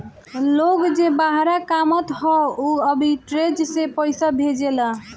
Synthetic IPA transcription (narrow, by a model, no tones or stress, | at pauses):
loɡd͡ʒebaɦɾakamət̪ɦɔuəbʱiʈɾed͡ʒsepəjsabʱed͡ʒela